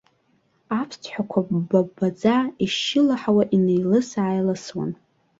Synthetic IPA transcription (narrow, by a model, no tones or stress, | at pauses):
apʰstʰħʷᶣakʷʰababad͡zaiʃɪlaħawaʔinejlɨsaːjlaswa̰n